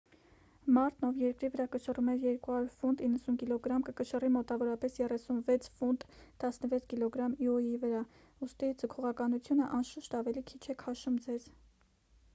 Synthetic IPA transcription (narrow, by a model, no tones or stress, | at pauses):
mɑɾt̪nɔvjɛɾkɾivəɾɑkəʃərumɛɾjɛɾkuhɑɾuɾfund̪inːəsunkilɔɡɾɑmkəkəʃərimɔt̪ɑvɔɾɑpɛsjɛrɛsunvɛt͡sʰfunt̪ːɑsnəvɛt͡sʰkilɔɡɾɑmiɔjivəɾɑ | ust̪id͡zəkʰɔʁɑkɑnut͡sʰjunəʔɑnʃuʃt̪ɑvɛlikʰit͡ʃʰɛkʰɑʃumd͡zɛz